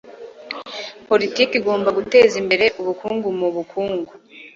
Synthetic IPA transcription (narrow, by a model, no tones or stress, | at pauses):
po̞litiːkiɡo̞ːmbaɡute̞ːzimbe̞ɾe̞ʔuβukuːŋɡumuβukʰuːŋɡu